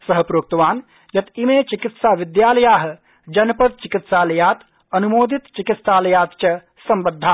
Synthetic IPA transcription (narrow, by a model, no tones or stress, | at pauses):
sɐɦɐpɾoːk̚t̪ɐʋaːn | jɐt̪imeːt͡ʃikit̪saːʋɪd̪jaːlɐjaːɦɐ̆ | d͡ʒɐnɐpɐt̪̚t͡ʃikit̪saːlɐjaːt̪ | ɐnumoːd̪ʱit̪t͡ʃikit̪saːlɐjaːt̪̚t͡ʃɐ | sɐmbɐd̪ʱːaː